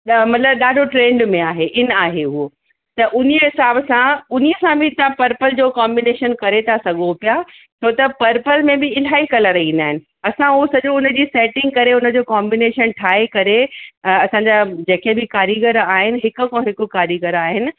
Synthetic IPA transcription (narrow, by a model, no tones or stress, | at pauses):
mɐt̪ləbɗaːɖʱoʈɾẽːɳɖmẽaːɦeʔɪn̆aːɦeɦuo | t̪ɐʔʊniəɦɪsaːbsãʊnijəsãbʱɪt̪ãpɐɾpəld͡ʑoːkaːmbɪneːʃənkɐɾet̪ʰasɐɠopija | sʰoːt̪ɐpɐɾpəlmẽbɪɪl̤aːikɐləɾɐɦĩːnd̪aːɦɪnɪ̆ | ɐsãuosɐʄõʊnə̆d͡ʑiːsɛːʈɪ̃ŋɡ̚kɐɾeʊnə̆d͡ʑoːkaːmbɪneːʃənʈʰaːekɐɾeɐsãɲd͡ʑad͡ʑeːkebɪkaːɾiɡəɾaːɦɪnɪ̆ɦɪkʊ̆kõːɦɪkʊ̆kaːɾiɡəɾaːɦɪnɪ̆